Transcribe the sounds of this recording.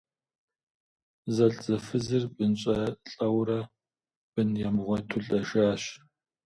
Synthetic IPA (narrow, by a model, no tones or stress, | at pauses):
zɐɬʼzɐfɨzɨrbɨnɕʼɐɬʼɐwɾɐ | b̥ɨnjamʁʷɔtʰʊɬʼɐʒaːɕ